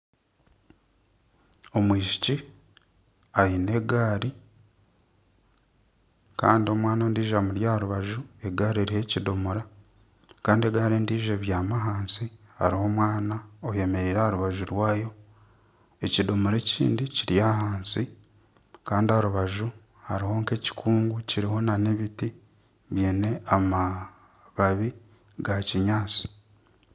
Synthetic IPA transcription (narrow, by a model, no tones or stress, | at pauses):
o̞mwiːʃi̥ci | ajine̞ɡaːɾi | ka̰ːndio̞mwaːnoːndiːʒamuɾjaɾuβaʒue̞ɡaːɾieɾihe̞ːcidomuɾa | kaːndie̞ɡaːɾeːndiːʒeβjaːmaɦaːnsi | ha̰ɾiho̞mwaːnaoje̞me̞ɾiɾahɾuβaʒuɾwaːjo̞ | e̞cido̞muɾe̞cḭːndiciɾjaːhaːnsi | kaːndiaɾuβaʒu | ha̰ɾiho̞ːŋke̞ci̥kʰuːŋɡuciɾiho̞nane̞βiti | βjeːne̞ama | βaβi | ɡaciɲaːt͡si̥